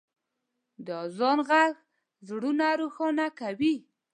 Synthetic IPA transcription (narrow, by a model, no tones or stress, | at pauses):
d̪əzɑnɣaɣ | zɽunaɾoxɑnakawi